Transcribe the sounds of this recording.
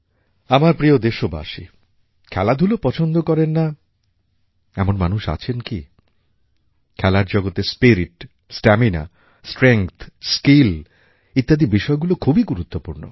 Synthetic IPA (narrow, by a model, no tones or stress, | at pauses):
amaɾpɾiod̪eʃoba̰ʃḭ | kʰɛlad̪ʱulopɔt͡ɕʰond̪okɔɾenːa | ɛmonmanuʃa̰t͡ɕʰenki | kʰɛlaɾd͡ʑɔɡot̪espiɾiʈ | sʈɛmina̰ | sʈɾeŋkt̪ʰskil | it̪ːad̪ibiʃɔeɡulokʰubiɡuɾut̪ːopuɾno̰